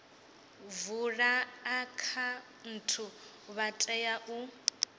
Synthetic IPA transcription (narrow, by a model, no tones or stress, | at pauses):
vuɺaːkʰa | n̩tʰu | βatʼɛjaʔu